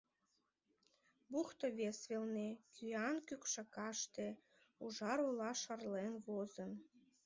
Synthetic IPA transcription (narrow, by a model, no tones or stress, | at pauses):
buxt̪oβesβelnekʰyɑnkykʃɑkɑʃt̪e | uʒɑɾulɑʃɑrlenβozən